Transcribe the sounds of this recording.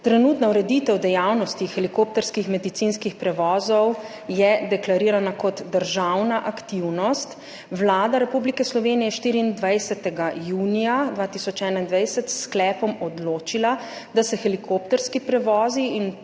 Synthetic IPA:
t̪ɾɛnuːt̪nauɾɛd̪it̪ɛwd̪ɛjawnɔst̪ixɛlikop̚t̪ɛɾskixmɛd̪it̪sinskixpɾɛʋɔːzɔw | jɛd̪ɛklaɾiːɾanakɔt̪d̪əɾʒawnaʔakt̪iwnɔst̪ | wlaːd̪aɾɛpublikɛslɔʋeːnijɛɛʃt̪iːɾiːnd̪ʋajsɛt̪ɛɡajuːnijad̪ʋaːt̪isɔt͡ʃɛːnaind̪ʋajsɛt̪sklɛːpɔmɔd̪loːt͡ʃilad̪asɛxɛlikʰopt̪ɛɾskipɾɛʋɔːziin

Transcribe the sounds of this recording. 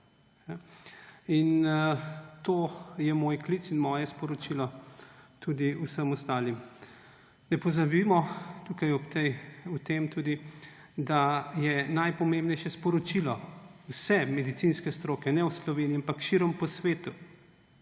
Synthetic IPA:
ja | in | t̪oːjɛmoːjklit̪sinmɔːjɛspɔɾɔt͡ʃilɔt̪ud̪iusəmɔst̪aːlim | nɛpɔzabimɔt̪ukajɔt̪ɛut̪emt̪uːd̪i | d̪ajɛnajpɔmẽmbnɛjʃɛspɔɾɔt͡ʃilɔwsɛmɛd̪it̪sinskɛst̪ɾoːkɛnɛwslɔʋeːniampakʃiɾɔmpɔsʋeːt̪u

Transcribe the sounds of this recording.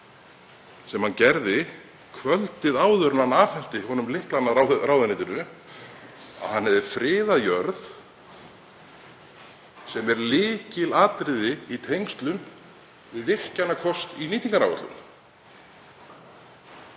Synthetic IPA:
sɛmhancɛɾðɪ | kʰvœlt̪ɪðaːwðʏɾnanaːfhɛn̥t̪ɪhɔnʏmlɪhklanːaawðɾaːwðanɪːt̪ɪnʏ | a̰ðhanːɛvðɪfɾɪːðajœɾð | sɛmɛɾlɪːcɪlaːt̪ɾɪðɪit̪ʰejŋst̪lʏn | vɪðvɪr̥canːakʰɔst̪iniːt̪iŋkaɾawɛ̰ɾt̪lʏ̰n

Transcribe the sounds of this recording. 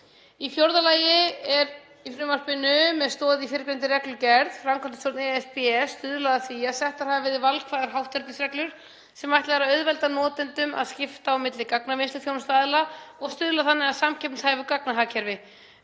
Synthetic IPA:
ifjowɾðalaːjɪɛɾ | ifɾɪːmaspɪnːʏmɛðst̪ɔːððɪifɪːɾɪkɾɛnt̪ɪɾɛklʏɾcɛɾðframkʰvant̪ɪ̥sjɔwɾt̪nɛɛfpɛɛst̪ʏðlaðaθiːjasɛht̪aɾ̥havavɪɾðɪvalkʰvaːðaɾɦawht̪ɛɾt̪ɪsɾɛklʏɾ̥ | sɛmajht̪laɛɾaœɥðvɛlt̪anɔːt̪ɪnt̪ʏma̰ðscɪft̪aawmɪt̪lɪkaknavɪnst̪ɪθjownst̪aːðɪlaɔɣst̪ʏðlaθanːɪɣaðsamcʰɛpnshaːjvʏkaknaɦaːcʰɛɾvɪ

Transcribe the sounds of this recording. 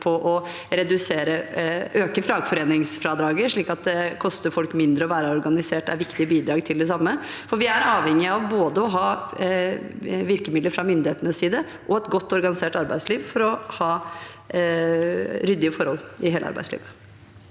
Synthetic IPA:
pʰɔʔɔ | ɾɛd̪ʉseːɾəʔøːkəfɾɑːɡfɔɾeːnɪŋsfɾɑːd̪ɾɑːɡəɾʂɭiːkɑt̪̚d̪ɛkʰɔst̪əɾfɔlkmɪnd̪ɾəɔʋæːɾəɔɾɡɑnɪseːʈæ̰ɾʋɪkt̪ɪəbiːd̪ɾɑːɡt̪ʰɪld̪ɛs̬ɑmːəfɔɾʋɪæɾɑːʋhɛŋːɪɑʋboːd̪əɔɦɑː | ʋɪɾkəmɪd̪əɾfɾɑmʏnd̪ɪheːt̪ənəsiːd̪ə | ʔɔɛt̪ɡɔt̪ːɔɾɡɑnɪseːʈɑɾbæɪsliːʋfɔɾɔhɑː | ɾʏd̪ːɪəfɔɾhɔlːɪheːlʔəɑ̰ɾbæ̰ɪslḭːʋə

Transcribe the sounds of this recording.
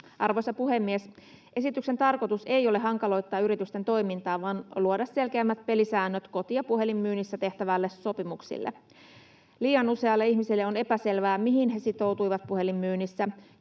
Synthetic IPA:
ʔɑrʋo̞jsɑpuɦe̞mːiesʔe̞sit̪ykse̞nt̪ɑrkot̪use̞jo̞leɦɑŋkɑlo̞jt̪ːˑɑːyɾit̪yst̪ent̪o̞jmint̪ɑːʋɑːnluodɑsse̞lkeæmːæt̪̚pe̞lisæːnːøt̪ko̞t̪ijɑpuɦe̞limːyːnːisːæt̪e̞ht̪æʋælːesso̞pimuksḭlːḛ | liːɑnuse̞ɑlːeiçmisilːeo̞ne̞pæse̞lʋæːmiɦinɦe̞sit̪o̞wt̪ujʋɑt̪̚puhe̞limːyːnːisːæ

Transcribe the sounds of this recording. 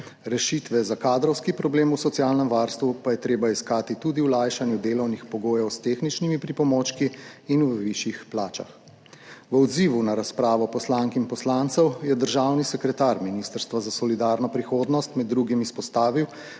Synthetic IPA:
ɾɛʃit̪ʋɛzakaːd̪ɾɔwskipɾɔbleːmusɔt̪sijaːlnɛmʋaɾst̪ʋupajɛt̪ɾeːbaiskaːt̪it̪ud̪iwlajʃanjud̪eːlɔwnixpɔɡoːjɔwst̪eːxnit͡ʃnimipɾipɔmɔt͡ʃkiːnwəʋiʃjixplaːt͡ʃa̰x | ʋəɔd̪ziːʋunaɾaspɾaːʋɔpɔslaːŋkinpɔslant̪sɛwjɛd̪əɾʒawnisɛkɾɛt̪aɾminiːst̪əɾst̪ʋazasɔlid̪aːɾnɔpɾixoːd̪nɔst̪mɛd̪ːɾuːɡimispɔst̪aːʋiw

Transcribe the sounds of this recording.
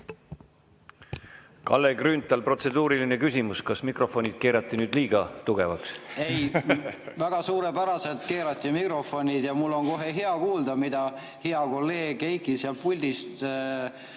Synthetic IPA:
kɑ̰lːeɡrynt̪ːˑɑlpro̞t̪se̞d̪̥uːɾiline̞kysʲimuskɑsmikro̞fo̞nʲid̪̥̚ke̞ːɾɑt̪ːˑinyːd̪liːɡ̥ɑt̪uɡ̥e̞vɑksej | væɡ̥ɑsuːɾepæɾɑse̞lt̪ke̞ːɾɑt̪ʲːˑimikro̞fo̞nʲid̪̥jɑmulːo̞nko̞ɦe̞ɦeɑkuːld̪̥ɑmid̪̥ɑ | heɑko̞lːe̞ːɡ̥ejkiseɑlpulʲd̪̥ist̪

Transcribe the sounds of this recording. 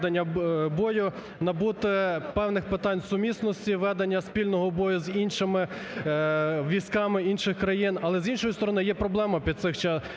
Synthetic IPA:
d̪enʲːɐbɔjʊ | nɐbut̪ɪpɛwnɪxpɪt̪ɑnʲsʊmʲisnɔsʲtʲiʋɛd̪enʲːɐspʲilʲnɔɦɔbɔjʊzinʃɪmɪ | ʋʲiskɑmɪinʃɪxkɾɐjinɐlˠɛzinʃɔjʊst̪ɔɾɔnɪjɛpɾɔblˠɛmɐpʲid̪t̪sɪxt͡ʃɛ

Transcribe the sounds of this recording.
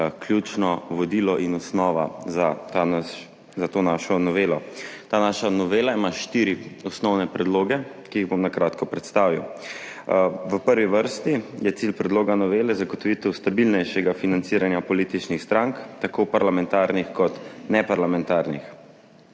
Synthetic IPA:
kljut͡ʃnɔʋɔd̪ilɔʔinɔsnɔːʋa̰zat̪aa | zat̪oːnaːʃɔnɔʋeːlɔt̪aːnaʃanɔʋeːlaimaʃt̪iːɾiɔsnɔwnɛpɾɛd̪loːɡɛ | kiiɣbomnakɾaːt̪kɔpɾɛt̪st̪aːʋiw | ʋəpəɾʋiʋəɾst̪ijɛt̪silpɾɛd̪loːɡanɔʋeːlɛzaɡɔt̪ɔʋit̪ɛwst̪abilnɛjʃɛɡafinant̪siɾanjapɔliːt̪it͡ʃnixst̪ɾaŋkt̪akopaɾlamɛnt̪aːɾnixkɔt̪nɛpaɾlamɛnt̪aːɾnix

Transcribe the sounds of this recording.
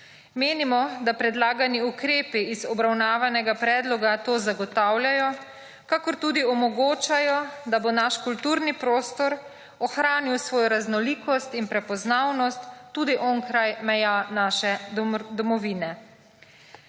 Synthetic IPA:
meːnimɔd̪apɾɛd̪laːɡaniukɾeːpiiːzɔbɾawnaːʋanɛɡapɾɛːd̪lɔɡat̪oːzaɡɔt̪aːwljajɔ | kakɔɾt̪uːd̪iɔmɔɡoːt͡ʃajɔd̪abonaʃkult̪uːɾnipɾoːst̪ɔɾ | ɔxɾaːniwsʋɔːjɔɾaznɔliːkɔst̪inpɾɛpɔznawnɔst̪ːuːd̪iʔɔːŋkɾajmɛjanaːʃɛd̪ɔmɔʋiːnɛ

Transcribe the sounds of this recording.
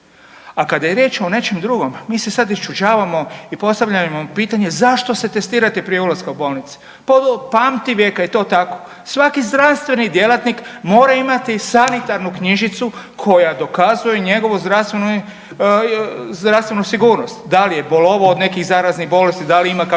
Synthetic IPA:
akad̪ajeɾje̞ːt͡ʃo̞ne̞t͡ʃemd̪ɾuɡo̞mmiːse̞sad̪ist͡ʃud͡ʒaːʋamo̞ipo̞st̪aʋʎamopiːt̪aɲe̞zaʃt̪o̞se̞t̪e̞st̪iːɾat̪ipɾijeulaskaubo̞lˠnit̪si̥ | popamt̪iʋjekait̪o̞ːt̪ako̞̥ | sʋakizd̪ɾaʋst̪ʋe̞nid̪jelat̪nikmo̞ːɾaimat̪isanit̪aɾnukɲiʒit̪su | kʰo̞jad̪o̞kazujeɲe̞ɡo̞ʋuzd̪ɾast̪ʋenu | zd̪ɾafst̪ʋe̞nusiɡuːɾnost̪d̪alije̞bolˠoʋood̪ne̞kiɣzaːɾaznixbo̞le̞st̪id̪aliimaka

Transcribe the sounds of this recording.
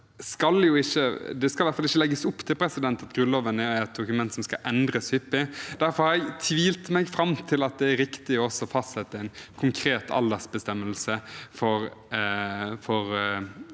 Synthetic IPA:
skɑljʊɪçːəd̪ɛskɑlʋæɾt̪fɑlɪçːəlɛɡəsʊpːt̪ʰɪlpʰɾɛsɪd̪ɛnt̪ɑt̪ɡɾʉnoːʋənəæɾɛt̪̚d̪ʊkʉmɛnt̪sɔmskɑʔɛnd̪ɾəshʏpːɪd̪̥æɾfɔɾhɑɾɛɪt̪ʰʋiːlt̪mɛɡfɾɑmt̪ʰɪlɑt̪̚d̪ɛæɾɪkt̪ɪɔɔsɔfɑst̪sɛt̪ːəæɪnkʰʊŋkʰɾeːt̪ʰɑ̰ld̪æsbəst̪ɛmːəlsəfɔɾ | fɔɾ

